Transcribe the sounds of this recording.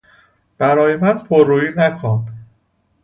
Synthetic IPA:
b̥æɾɒːje̞mænpʰoɾːuːjiːnækʰon

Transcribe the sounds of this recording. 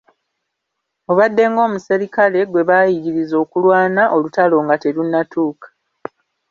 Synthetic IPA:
o̞βadːe̞ŋɡo̞ːmuse̞ɾikale̞ɡwe̞βaːjiɡiɾizo̞ːkulwaːnaʔo̞lutalo̞ːŋɡate̞lunːatʰuːkḁ

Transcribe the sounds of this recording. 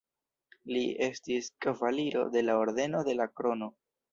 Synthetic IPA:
lie̞stiskavaliɾo̞̰de̞lao̞ɾd̪e̞no̞de̞lakɾo̞no̞

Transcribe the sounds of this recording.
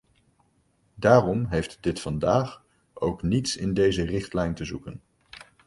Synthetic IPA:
daːrɔmɦejftdɪtfɑndaːχ | ʔowknitsɪndejzərɪχtlɛjntəzukən

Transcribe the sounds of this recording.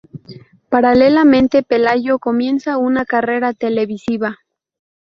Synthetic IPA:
paɾale̞lamẽnt̪e̞pe̞laʝo̞ko̞mje̞nsaunakare̞ɾat̪e̞le̞βisiβa

